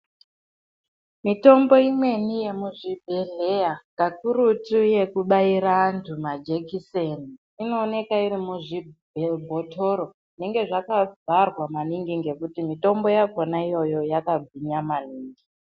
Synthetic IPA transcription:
mito̞mbo̞imwe̞nije̞muʐibʱeɮeaŋɡakuɾutuje̞kuɓaiɾaːntʰumad͡ʒekiseni | ino̞ːne̞kairimuʐibʱebʱotoɾo̞ | ne̞ŋɡe̞ʐakavʱarwamaniŋɡiŋɡe̞kutimito̞mbojakonaijo̞jo̞jakaɡʱwiɲamaniːŋɡi

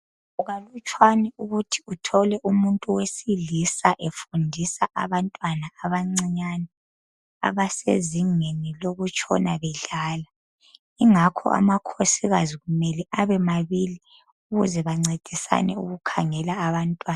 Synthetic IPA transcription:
uɣalut͡ʃʼʰwaniuɣutʰi̥utʰɔlɛʔumuntʼuwesilisaʔefundʱisaʔa̰βantʼwanaːβaŋ͡ǀiɲanɛ | a̰βasḛziŋeniloɣut͡ʃʼʰɔ̰naβɛɮaːla | iŋakʰɔ̰ʔa̰makʰosiɣaziɣumɛlɛʔaβɛmaβili | uɣuzɛβaŋ͡ǀed̥ʱisa̰nɛṵɣukʰaŋɛlaːβantʼwaːn

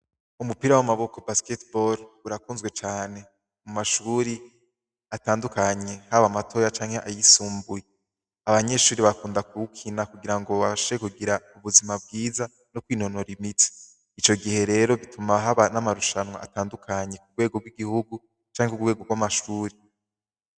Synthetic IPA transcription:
umupiɾawamaβo̞ko̞basketboɾuɾakuːnzɡwe̞t͡ʃaːne̞ | umaʃuɾi | ataːndukaɲe̞haβamatʰo̞ːjat͡ʃaːŋhe̞ʔajisuːmbuje | aβaɲe̞ʃuːɾiβakuːndakuukʰinakuɡiɾaŋɡo̞βaʃu̥ekuɡiɾauβuzimabɡiːza | no̞kwiːno̞no̞ɾimiti̥ | it͡ʃo̞ɡihe̞ɾe̞ɾo̞βitʰumaɦaβanamaɾuʃanwa̰ʔa̰taːndukʰaɲe̞kuɡwe̞ːɡo̞ɡwiɡihuɡu | t͡ʃaːŋekuɡweɡo̞ɡwamaʃuːɾi

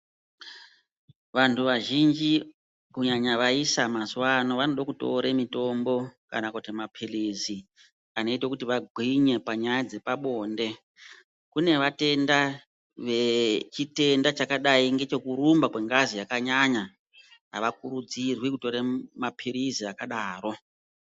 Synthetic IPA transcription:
ʋantʰuʋaʒind͡ʒi | kuɲaɲaʋaisamazwano̞ʋano̞ɗakuto̞̰ɾemito̞mbo̞ka̰nakutimapʰilizi | ano̞itakutiʋaɡʱwiɲe̞paɲajad͡ze̞paɓo̞ːnde̞ | kune̞ʋate̞nda | ʋe̞t͡ʃite̞ndat͡ʃakaɗaiŋɡe̞t͡ʃo̞kuɾumbakwe̞ŋɡazijakaɲaɲa | ɦa̰ʋakuɾud͡zirwikuto̞ɾemapʰiriziakaɗaːro̞

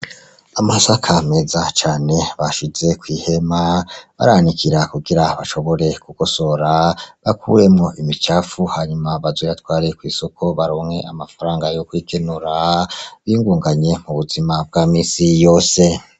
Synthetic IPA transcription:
amasakʰame̞zat͡ʃaːne̞βaʃize̞kwiːhe̞maβa̰ɾanikʰiɾakuɡiɾaβaʃo̞βo̞ɾe̞kuɡ̥o̞so̞ɾaβakʰṵɾe̞mŋo̞ʔimit͡ʃaːfuhaɲumaβazwoβatwaːɾekwiːsokʰo̞βaɾoːŋhe̞ʔamafaɾaːŋɡajo̞kwikʰenuɾaβiːŋɡuːŋɡaɲe̞muβuzimab̚ɡaːmiːsijo̞ːse̞

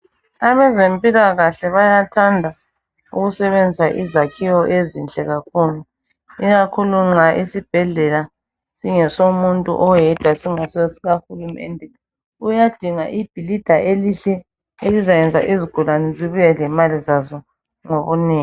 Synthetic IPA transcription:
aβɛzempʼilaɣaɬɛβajatʰandʱa | uɣusɛβend͡zʱisaʔizakʰiwɔʔezint͡ɬʼɛɣakʰuːlu | iɣakʰuluŋ͡ǁaʔisib̥ʱɛɮɛla | siŋɛsomuntʼṵʔɔjɛd̥ʱwasiŋasesiɣaxulumɛ̰ndʱɛ | ujad̥ʱiŋaʔib̥ʱilid̥ʱaʔeliɬɛ | elizajɛnd͡zʱa̰ʔiziɡ̥ʱulanɛziβujɛlɛmalizazɔ | ŋoβuniːŋ

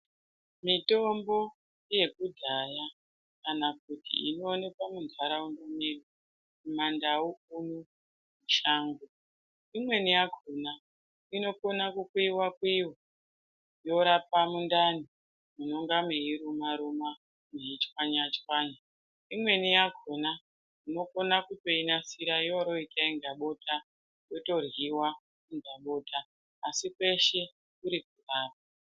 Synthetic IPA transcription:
mito̞mbo̞ | je̞kudʱaja | kanak̚utḭino̞ːne̞kwamund͡zʱwaɾauŋɡamiri | mumandauunu | muʃaːŋɡo | imwe̞nijaɡʱuna | ino̞konakukuiwakwiwo | jo̞ɾapamundani | muno̞ŋɡamiiɾumaɾuma | miɦit͡ʃkwaɲat͡ʃwaːɲa | imwe̞nijaɡʱona | ino̞ko̞nakuto̞inasiɾaijoɾo̞itʰaiŋɡaɓo̞tʰa | jo̞to̞rwiwa | iŋɡaɓo̞ːtʰaː | sikwe̞ʃe̞ | kuɾik̚uraːp̚a

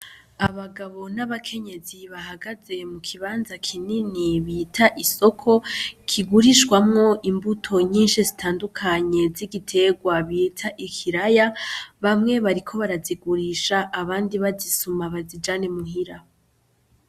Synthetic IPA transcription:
aβaɡaβo̞naβakʰe̞ɲe̞ziβaɦaɡaze̞mukʰiβaːnzakʰininiβitʰaʔiso̞kʰo̞kʰiɡuɾiʃɡwamŋo̞ʔimbutʰo̞ɲiːnʃizitʰaːndukʰaɲe̞ziɡitʰe̞ɡwaβitʰaʔikʰiɾajaβamŋe̞βaɾikʰo̞βaɾaziɡuɾiːʃaʔːβaːndiβazisumaβazid͡ʒaːne̞muhiɾa

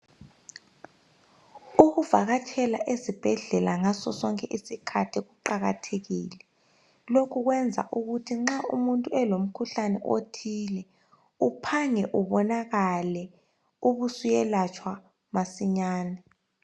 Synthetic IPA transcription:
uk̬uvaɣ̬atʰɛlaʔezib̥ʱɛɮɛlaŋasɔsɔŋkʼɛʔisikʰatʰikuǃaɣa̰tʰeɣḭːlɛ | lokʰuk̬wɛnd͡zʱa̰ʔuɣ̬utʰiŋ͡ǁaʔṵmuntʼuɛlom̩kʰuɬanɛ̰ʔotʰilɛ | upʰaŋɛʔuɓɔnaɣalɛ | uɓusujɛlat͡ʃʰwa | masiɲaːnɛ

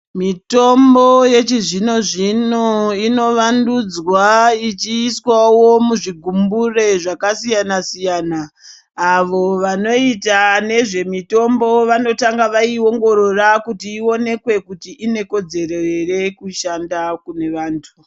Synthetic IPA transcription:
mito̞mbo̞je̞t͡ʃiʐino̞ʐinoino̞ʋandud͡zwait͡ʃiːswawo̞muʐiɡʱumbure̞ʐakasijanasijaːnaː | ʋo̞ʋano̞itane̞ʐe̞mito̞mbo̞ʋano̞taŋɡaʋaio̞ŋɡo̞ɾo̞rakutiːo̞ne̞kwe̞kutiʔine̞ko̞d͡ze̞reere̞kuʃandakune̞ʋaːntʰu̥

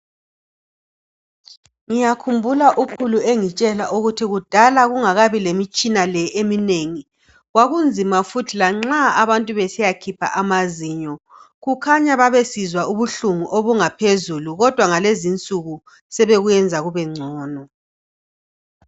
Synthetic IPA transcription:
ŋijakʰumbʱulaʔukʰulueŋit͡ʃʼɛlaʔuɣutʰiɣud̥ʱalaɣuŋaɣaβilemit͡ʃʼinalɛemineŋi | ɣwaɣund͡zʱimafutʰilaŋ͡ǁaaβantʼuβesijakʰipʰa̰ʔamaziɲɔ | ɣukʰaɲaβaβesizwauβuɬuŋuʔoβuŋapʰezuluɣɔd̥ʱwaŋalezint͡sʼuɣu | sɛβeɣujɛnd͡zʱaɣuβɛŋ͡ǀʱɔːnɔ

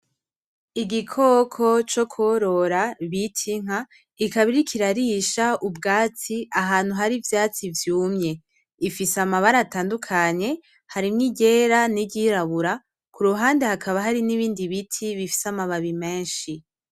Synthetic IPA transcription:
iɡikʰokʰo̞t͡ʃo̞kʰoɾo̞ɾaβitʰiŋ̥a | ikaβiɾikʰiɾaɾiʃaʔubɡaːt͡siaɦaːn̥huɦaɾivjaːt͡sivjuːmɲe̞ | ifisamaβaɾataːndukʰaɲe̞ | haɾimŋiɟe̞ːɾaniɟiɾaβuɾa | kuɾuɦaːndehakʰaβaɦaɾiniβiːndiβitʰiβifi̥samaβaβime̞ːnʃi

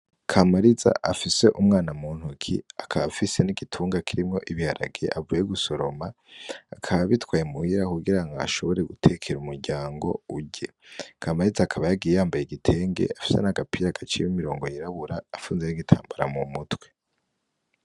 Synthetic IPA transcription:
kʰamaɾiza̰ʔafise̞ʔumŋaːnamuːn̥hukʰḭakʰaβfise̞niɡitʰuːŋɡakʰiɾimŋo̞ʔiβihaɾa̰ɡieʔavujeɡuso̞ɾo̞maː | kʰaβaβitwaːjemuhiɾakuɡiɾaŋɡaa̰ʃo̞βo̞ɾe̞ɡutʰe̞kʰe̞ɾumuɾɟaːŋɡo̞̰uɟḛ | kʰamaɾizaːkʰaβajaɡijejaːmbajeɡitʰe̞ːŋɡe̞̰afi̥se̞̰naɡapiɾaɡat͡ʃiwimiɾo̞ːŋɡo̞jiɾaβuɾaːfuːnze̞niɡitʰa̰ːmbaɾamumutwe̞

